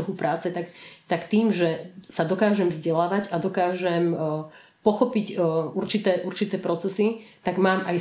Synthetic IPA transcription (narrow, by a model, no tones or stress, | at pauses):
ɔɦupɾʔaːt͡sɛt̪akt̪akt̪iːmʒɛsad̪ɔkaːʒɛmvzɟɛlaːʋaɟad̪ɔkaːʒɛm | pɔxɔpicuɾt͡ʃit̪ɛːʔuɾt͡ʃit̪ɛːpɾɔt͡sɛsit̪aɡmaːmaj